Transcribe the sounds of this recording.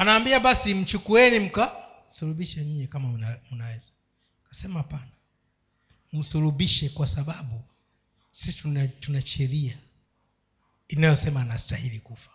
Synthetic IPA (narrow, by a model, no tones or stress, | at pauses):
anaːmbiaɓasim̩t͡ʃukuɛnim̩ka | suluɓiʃɛɲiɲɛkamam̩nawɛza | kḁsɛmahapana | m̩suluɓiʃɛkwasaɓaɓu | sisi̥tunatunaʃɛɾia | inajɔsɛmaːnastahilikufḁ